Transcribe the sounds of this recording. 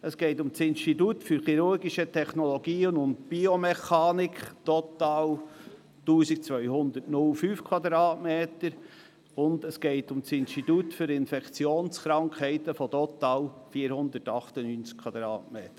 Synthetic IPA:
əsɡ̥eɪtʊmsɪnʃtitutfʏɾχiɾʊɾɡiʃətʰɛχnɔlɔɡ̥iːnʊntb̥iomɛχɑːnɪkχt̪ɔt̪ɑːl | tuːsik̚t͡sʋœʏhʊnd̪ətnʊlfyːfkʰwɑd̪ɾɑːtmeːt̪əɾ | ʊndəsɡ̥eɪtʊmsɪnʃtit̪utfʏɾɪnfɛkt͡sjoːnsχɾɑŋkʰhɛɪt̪əfɔt̪ɔt̪ɑːlfiːəɾhʊnd̪ətɑχt̪ənyːnt͡skʰwɑd̪ɾɑːtmeːt̪ə

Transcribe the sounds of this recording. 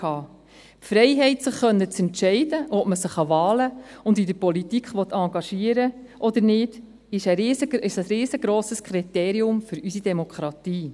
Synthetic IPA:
ɑː | pfɾɛɪɦɛɪtsɪχːœnːət͡sɛntʃɛɪdəʔɔpməsɪχɑvɑːləʊndidəɾpɔlitikχʋɔt̪ɑŋɡɑʃiːəɾə | ʔɔd̥̪əɾnɪd̥ | ɪʃɛːsəɪʃəsɾiːzəɡ̥ɾɔːsəskʰɾit̪ɛːɾiʊmfʏɾysidɛmɔkχɾɑtiː

